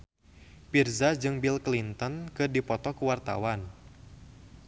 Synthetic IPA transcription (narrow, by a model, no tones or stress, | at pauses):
pirzad͡ʒɨŋbilklint̪ɔnkɨrdipɔt̪ɔkuwart̪a̰wan